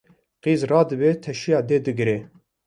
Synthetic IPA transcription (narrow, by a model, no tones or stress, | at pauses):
qiːzrɑːd̪ɨbeːt̪ʰɛʃijɑːd̪eːd̪ɨɡɨɾeː